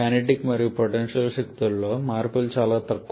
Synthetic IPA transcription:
aneʈikːmɐɾijupoʈenʂɐlʃɐkt̪ilːoːmaːɾpɐlt͡ʃaːlaːt̪ɐkː

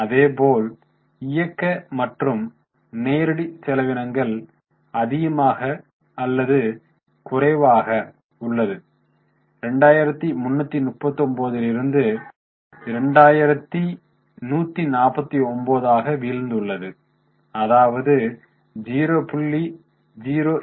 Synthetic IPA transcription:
ɐðeːpoːl | ɪjɐkːɐmɐʈrɯm | neːɾɯɽisɛlɐʋɪɳɐŋɡɐɭ | ɐðɪɣɐmaːɣɐː | lːɐðɯ | kʊrɐɪʋaːɣɐ | ʊɭːɐðɯ | ɾɛɳɖaːjɪɾɐt̪ːimʊnːɐt̪ːinʊʈ̚pɐt̪ːɔmboːðɪlɪɾɯnd̪ɯ | ɪɾɛɳɖaːjɪɾɐt̪ːi | nuːt̪ːinaːpɐt̪ːiɔmboːðaːɣɐʋiːɻnd̪ɯɭːɐðɯ | ɐðaːʋɐðɯ | d͡ʒiːɾoːpʊɭːi | d͡ʒiːɾoː

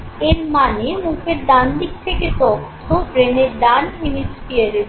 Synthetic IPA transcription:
eɾmanemukʰeɾd̪and̪ik̚t̪ʰeket̪ɔt̪ʰːobɾeneɾd̪anminispieɾe

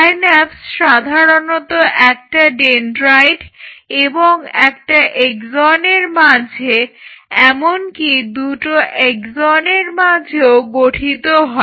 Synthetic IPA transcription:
anɛpsʃad̪ʱaɾonot̪oʔɛk̚ʈaɖenɾajɖeboŋɛkʈaʔekzɔneɾmad͡ʑʱeɛmonkid̪uʈoʔekzoneɾmad͡ʑʱeoɡoʈʰit̪oɦɔe

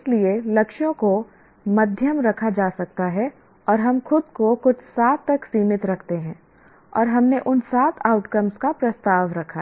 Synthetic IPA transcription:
ɪslielɐkʃjõko | mɐd̪ʱjəmɾɐkʰad͡ʒaːsɐk̚t̪aɦɛ | ɔːɾɦɐmxʊd̪̚kokʊt͡ʃʰsaːt̪ːɐksiːmɪt̪ɾɐkʰt̪eɦɛ̃ː | ɔ̰ːɾɦɐmneʔʊnsaːt̪ʰaːʊʈkəmskapɾɐst̪aːʋɾɐkʰa

